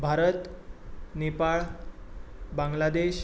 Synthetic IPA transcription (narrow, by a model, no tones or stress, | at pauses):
bʱaɾət̪ | nepaɭ | baŋɡlad̪eɕ